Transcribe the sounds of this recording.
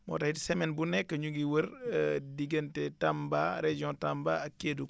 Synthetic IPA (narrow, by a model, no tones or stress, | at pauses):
mɔ̰ːtahitsɛmɛnbunɛkːəɲuɡiwəɾdiɡɐntɛtambaɾed͡ʒiɔ̃tambaɐkːeːduk